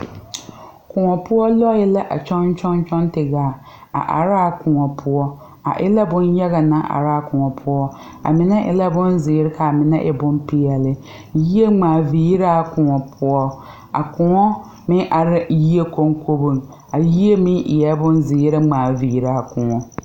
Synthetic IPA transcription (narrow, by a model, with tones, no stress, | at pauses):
kʊ˨ŋɔ˨pʊ˦ɔ˦lɔ˦ɪ˦la˦ʔa˨t͡ʃɔ˦nt͡ʃɔ˦n˦t͡ʃɔ˦ntɪ˨ɡaː˨ | a̰˨ʔa̰˨ɾaː˦kʊ˨ŋɔ˨pʰʊ˦ɔ˦ | a̰˨ʔɪ˦la˦bʊ˦njɛ˦ɣa˨na˦ʔa̰˨ɾaː˦kʊ˨ŋɔ˨pʰʊ˦ɔ˦ | a̰˨mɪ˨na˦ʔɪ̰˨la˦bʊ˦nzɪ˨˦ɾɪ˦ka˨mɪ˨na̰˦ʔɪ˨bʊ˦n˦pɪ˦ɛ˨lɪ˦ | ji˦e˦ŋ͡maː˨viː˨˦ɾaː˦kʊ˨ŋɔ˨pʰʊ˦ɔ˦ | a̰˨kʊ˨ŋɔ˦ | mɪ˦ʔa˨ɾɪ˦ji˦e˦ko˦ŋkʰo˦bʊ˦ŋ | a˨ji˦e˦mɪ˦ʔɪ˨jɛ˦bʊ˦n˦zɪ˨˦ɾɪ˦ŋ͡maː˨viː˨˦ɾaː˨˦˨kʊ˨ŋɔ˨